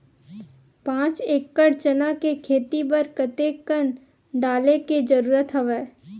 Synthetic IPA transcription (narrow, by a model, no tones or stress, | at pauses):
pãːt͡ʃeːkːəɽt͡ʃənakekʰeːt̪ipəɾkət̪ekən | ɖaːleked͡ʒəɾuːɾət̪ɦɐʋeː